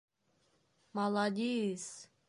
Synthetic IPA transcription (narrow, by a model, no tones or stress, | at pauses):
malˠad̪ʲis